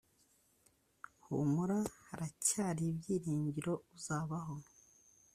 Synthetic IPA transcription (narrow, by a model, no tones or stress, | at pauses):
hṵmuɾahaɾacaːɾibɟiːɾiːɲɟiɾo̞uzaːβaɦo̞